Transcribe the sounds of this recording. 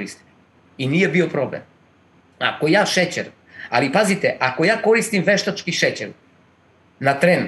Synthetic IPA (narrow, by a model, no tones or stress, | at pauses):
ɾist̪i̥ | inijɛbiopɾoblɛ̰n | a̰kojaːʃɛt͡ɕɛɾ | a̰lipazit̪ɛʔakojaːkoɾist̪imvɛʃt̪at͡ʃkiʃɛt͡ɕɛɾ | nat̪ɾɛn